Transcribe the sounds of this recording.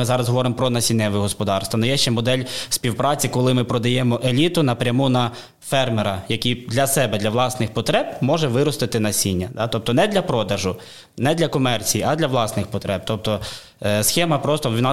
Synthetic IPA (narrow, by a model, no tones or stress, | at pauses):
ɪzɑɾɐzɦɔʋɔɾɪmɔpɾɔnɐsʲinːɛʋɪɦɔspɔd̪ɑrst̪ʋɐnɔjɛʃt͡ʃɛmɔd̪ɛlʲsʲpʲiwpɾɑt͡sʲikɔlˠɪmɪpɾɔd̪ɐjɛmɔʔelʲit̪ʊnɐpɾʲɐmunɐ | fɛrmeɾɐjɐkʲijd̪lʲɐsɛbɛd̪lʲɐʋlˠɑsnɪxpɔt̪ɾɛb̚mɔʒɛʋɪɾɔst̪ɪt̪ɪnɐsʲinʲːɐd̪ɑt̪ɔp̚t̪ɔnɛd̪lʲɐpɾɔd̪ɐʒʊ | nɛd̪lʲɐkɔmɛrt͡sʲijiɐd̪lʲɐʋlˠɑsnɪxpɔt̪ɾɛp̚t̪ɔp̚t̪ɔ | sxɛmɐpɾɔst̪ɔʋʲinɑ